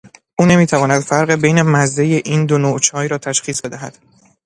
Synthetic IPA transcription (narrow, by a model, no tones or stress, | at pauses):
ʔuːne̞miːt̪ʰævɒːnæd̪̥fæɾɢebe̞jne̞mæzd̪e̞je̞ʔiːnd̪onoːt͡ʃʰɒːjɾɒːt̪ʰæʃxiːsbe̞d̪æɦæd̪̥